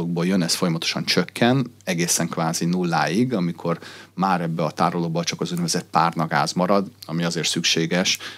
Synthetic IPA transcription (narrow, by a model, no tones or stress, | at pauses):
oɡ̚boːjønɛsfo̞jɒmɒt̪o̥ʃɒnt͡ʃøkːɛnɛɡeːsɛŋkʋaːzinulːa̰ːiɡɒmikʰo̞rmaːɾɛbːɛɒt̪aːɾoloːbot͡ʃɒkɒzud̪ɛvɛzɛt̪̚paːrnɒɡa̰ːzmɒɾɒd̪ɒmiɒzeːrt̪sykʃeːɡɛʃ